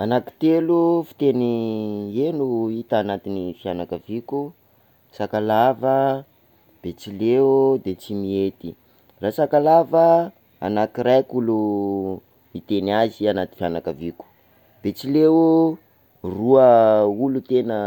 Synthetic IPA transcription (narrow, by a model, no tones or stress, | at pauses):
anaki̥t̪elufi̥t̪enienuit̪əanat̪inifianakəviku | sakalavə | b̥et͡siled̪et͡simiet̪i | rasakalavə | a̰nakiɾajkulu | mit̪enazianat̪i̥fianakəviku̥ | b̥et͡silewu | ruəulut̪enə